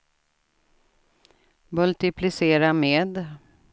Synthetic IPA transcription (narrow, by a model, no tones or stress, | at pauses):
mɵlt̪ɪpʰlɪseːɾameːd̪